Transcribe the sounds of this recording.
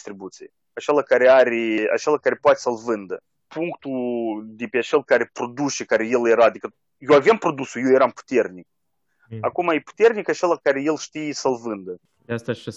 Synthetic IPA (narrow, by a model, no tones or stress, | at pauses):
st̪ɾibut̪sijḛ | at͡ʃe̞lakaɾeaɾʲea̰t͡ʃe̞lakaɾepoat̪esəlvɨnd̪ə | puŋkt̪ud̪epeat͡ʃe̞lkaɾe̞pɾo̞d̪ut͡ʃekaɾeje̞lje̞ɾaːd̪ikə | jewavjampɾo̞d̪usujewjeɾampu̥t̪e̞rnik̚ | akumajepu̥t̪e̞rnikat͡ʃe̞lakaɾeje̞lʃt̪ijesəlvɨnd̪ə | d̪ast̪aʃa